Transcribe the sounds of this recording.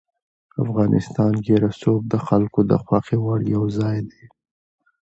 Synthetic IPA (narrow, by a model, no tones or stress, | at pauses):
afɣɑnʔɪ̰st̪ɑnɡeɾasob̚d̪əxalkod̪ə̰xwaxewaɽjawzɑjd̪e